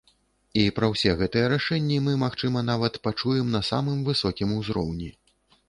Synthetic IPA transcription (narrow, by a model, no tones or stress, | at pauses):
ipɾɐwsʲɛɣɛt̪ɨjɛɾaʂɛnʲːimɨmaxt͡ʂɨmɐnavɐt̪pat͡ʂujɛmnɐsamɨmvɨsɔkʲimuzɾɔ̰wnʲi